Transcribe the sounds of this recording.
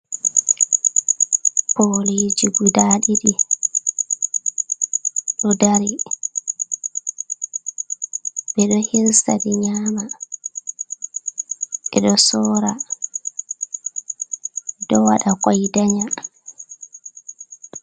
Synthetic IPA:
polid͡ʒiɡudaɗiɗi | ɗɔdaɾi | bɛɗɔhiɾsadiɲaːma | ʔɛɗɔsɔːɾa | dɔwaɗakɔjdaɲa

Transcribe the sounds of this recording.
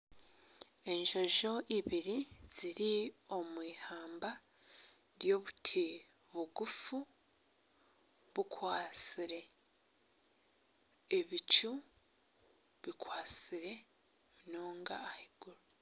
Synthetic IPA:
e̞ɲʒo̞ʒo̞ʔiβiɾiz̥iɾio̞mwiːhaːmba | ɾjo̞ːβutʰi | βuɡufu | βukwaːt͡siɾe̞ | βit͡ʃu | βikwaːt͡siɾe̞ | noːŋɡa̰ːhiɡ̥uɾo

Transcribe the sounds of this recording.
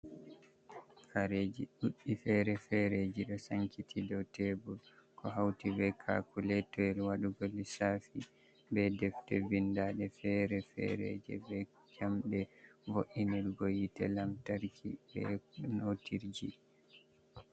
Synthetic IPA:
faɾed͡ʒiɗuɗːifɛɾɛfɛɾed͡ʒiɗɔsaŋkitʰidɔtɛbulkɔɦawtibɛkʰa̰kulɛtɔɛlwaɗuɡolːisafi | bɛdɛftɛ̰vindaɗɛfɛɾɛfɛ̰ɾḛd͡ʒɛ̰bɛ | kamɗɛvoʔiniɾɡojitɛ̰lamtaɾkʰḭbɛ̰notiɾd͡ʒi

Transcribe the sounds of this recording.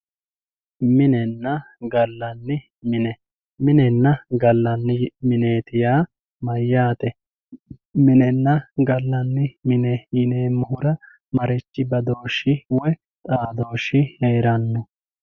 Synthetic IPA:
mɪnɛnːɐ | ɡɐlːɐnːɪ | mɪnɛ | mɪnɛnːɐɡɐlːɐnːɪmɪne̞ːt̪ɪjaː | mɐjːaːt̪ɛ | mɪnɛnːɐɡɐlːɐnːɪmɪnɛjɪneːmːʊhʊɾɐ | mɐɾɛt͡ʃːɪbɐd̪o̞ːʃːɪwɛ | t̪ʼaːd̪o̞ːʃːɪheːɾɐnːɔ

